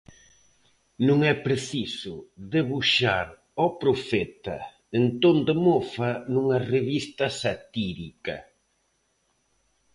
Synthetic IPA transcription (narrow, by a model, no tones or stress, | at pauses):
nũŋɛpɾeθisʊðeβuʃaɾ | ɔpɾofɛt̪ɐ̰ | ent̪ond̪emofɐnuŋɐreβist̪ɐsat̪iɾikɐ̰